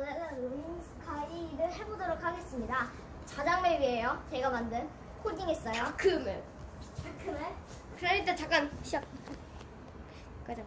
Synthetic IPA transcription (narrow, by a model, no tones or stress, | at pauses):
aaominsʰɯ̥kʰaiɾɯɭɦe̞bodoɾokʰhaɡe̞s͈ɯmɲida | t͡ɕad͡ʑaŋmeɭɥiɦejot͡ɕe̞ɡamandɯn | kʰodiŋes͈ʌjokɯmɯ | kɯme | kɯɾʌɲit͈et͡ɕak͈anɕʌ | kad͡ʑ